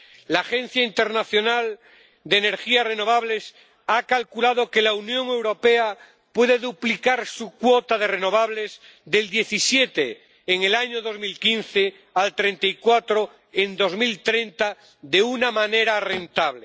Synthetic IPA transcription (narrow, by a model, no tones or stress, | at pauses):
laːxẽ̞nθjaint̪e̞ɾnaθjo̞nal | d̪eːne̞ɾxiare̞no̞β̞aβle̞s | akalkulaðo̞ke̞launjõ̞ŋe̞wɾo̞pe̞a | pwe̞ðeðuplikaɾsukwot̪aðe̞reno̞β̞aβle̞z | ðe̞ld̪je̞θisje̞t̪eː | ŋelaɲoðo̞zmilkinθe | alt̪ɾe̞nt̪aikwat̪ɾo̞ | end̪o̞zmilt̪ɾe̞nt̪a | ðe̞unamane̞ɾarent̪aβle